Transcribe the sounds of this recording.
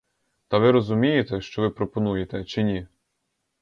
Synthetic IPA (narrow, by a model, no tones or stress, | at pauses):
t̪ɐʋɪɾɔzʊmʲijet̪ɛʃt͡ʃɔʋɪpɾɔpɔnujet̪ɛt͡ʃɪnʲi